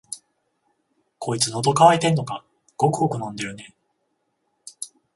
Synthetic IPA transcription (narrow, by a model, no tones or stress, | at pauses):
kʰo̞it͡sɨno̞d̪o̞kaβait̪e̞nːo̞ka | ɡ̥o̞kɯ̟ɡo̞kɯ̟nõ̞nd̪e̞ɾɯ̟ne̞